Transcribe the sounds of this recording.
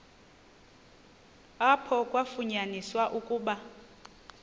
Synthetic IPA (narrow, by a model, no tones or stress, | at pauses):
apʰɔkʼwafuɲaniswaʔukʼuːɓa